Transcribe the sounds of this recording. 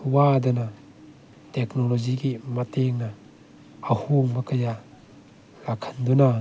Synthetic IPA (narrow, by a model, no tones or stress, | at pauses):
uwadɐna | teknɔlɔd͡ʒiɡimɐteŋnɐː | huŋbɐkʰɐja | lakʰɐnd̪una